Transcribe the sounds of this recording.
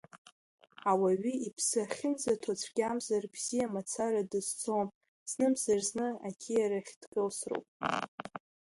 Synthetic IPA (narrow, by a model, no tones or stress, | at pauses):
awaɥiipʰsɨaχʲɪnzatʰat͡sʷʰɡʲamzarbz̥ijamat͡sʰaɾadɨzt͡sʼom | z̥nɨmzarznɨa̰kʲʰijaɾaχʲd̥ɡʼɨlsro̰wpʼ